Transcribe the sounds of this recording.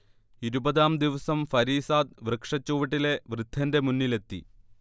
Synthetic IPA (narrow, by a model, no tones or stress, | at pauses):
iɾubɐðaːmd̪iʋɐsɐmfɐɾiːsaːd̪̚ʋrɨkʂɐt͡ɕːoːʋiʈːile̞ʋrɨd̪ʱːɐnde̞munːile̞t̪ːḭ